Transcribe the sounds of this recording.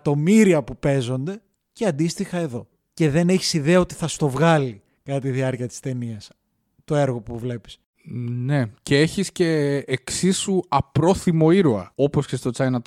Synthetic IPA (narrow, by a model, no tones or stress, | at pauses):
t̪o̞miɾiɐpupe̞zo̞nd̪e̞ | ceɐnd̪ist̪ixɐe̞ðo̞ | ce̞ðe̞ne̞çi̥siðe̞ɐo̞t̪iθɐst̪o̞vɣɐli | kɐt̪ɐt̪iðiɐɾciɐt̪ist̪e̞niɐs | t̪o̞e̞ɾɣo̞puvle̞pi̥s | ne̞ceeçisce̞ːksisuɐpɾo̞θimo̞iɾoɐ̰o̞po̞sce̞st̪o̞t͡sɐjnɐt̪